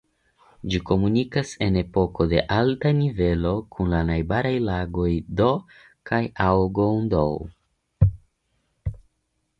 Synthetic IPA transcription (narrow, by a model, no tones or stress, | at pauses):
d͡ʒiko̞munikase̞ne̞po̞ko̞de̞ʔaltanive̞lo̞kʰunlanajbaɾajlaɡo̞jdo | kʰajawɡondo̰w